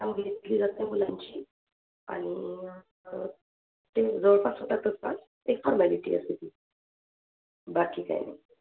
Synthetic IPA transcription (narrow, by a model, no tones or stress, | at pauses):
amɡʱet̪liːd͡zat̪jamulaɲt͡ɕiː | a̰ɽ̃i | t̪ed͡zəʋəɭpat͡sɦot̪at̪əspa̰t͡s | ekfɔɾmaliʈḭa̰set̪iː | bakiːka̰j̰na̰j